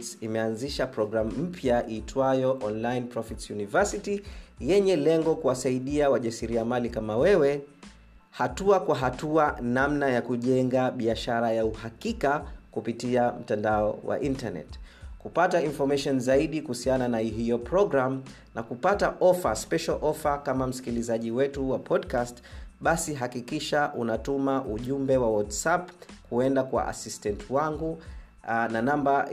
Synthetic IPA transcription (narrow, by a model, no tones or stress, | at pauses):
tsimɛanziʃapɾɔɡɾamum̩pʰjaʔiːtʰwajɔʔɔnlainpɾɔfitsjunivɛsitijɛɲɛlɛŋɡɔkuwasaiɗiawaʄasiɾiamalikamawɛwɛ | hatuakwaɦatuanamnajakuʄɛŋɡaɓiaʃaɾajauhakikakupitiam̩tandaɔ̰wa̰ʔintanɛ̰t | kupatainfɔmaʃɔnzaiɗikuhusiananaɦijɔpɾɔɡɾam | nakupataʔɔfaspɛʃalʔɔfakamam̩si̥kilizaʄiwɛtuwapʰɔdkastɓasiɦakikiʃaʔunatumaʔuʄumbɛwawatsapkuɛndakwa̰ʔa̰sistɛntʰwaŋɡu | nanamba